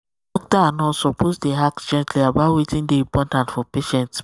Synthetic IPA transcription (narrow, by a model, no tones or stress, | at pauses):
ɔk̚taanɔsɔposdeɦaksd͡ʒɛ̃ntʰliabatwitĩndeĩpɔtãntfɔpeʃɛ̃nts